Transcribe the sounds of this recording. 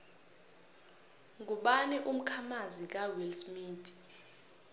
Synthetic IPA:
ŋuɓaniʔum̩kʰamazik̬awilsmiːt

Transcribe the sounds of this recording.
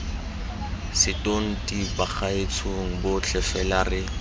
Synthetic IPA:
sɪtʼoŋ̩tibaχaɪt͡sʰoŋ̩bʊt͡ɬʰɛfɛlarɪ

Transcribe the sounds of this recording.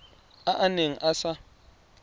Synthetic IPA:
aʔaneŋ̩ʔasa

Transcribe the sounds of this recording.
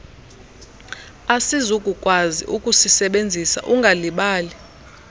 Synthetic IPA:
asizukʼukʼwazḭʔukʼusisɛɓend͡zʱisa̰ʔuŋɡʱaliɓaːli

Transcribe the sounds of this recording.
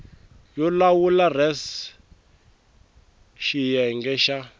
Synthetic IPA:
jɔlawularɛs | ʃijɛŋɡɛʃa

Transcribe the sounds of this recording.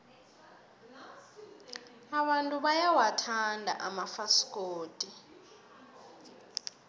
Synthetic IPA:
aɓantʼuɓajawatʰandʱa̰ʔamafaskʼoːtʼi

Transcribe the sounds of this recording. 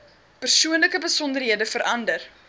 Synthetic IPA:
pərsuənləkəbəsɔndərɦiədəfəɾʔɐndər

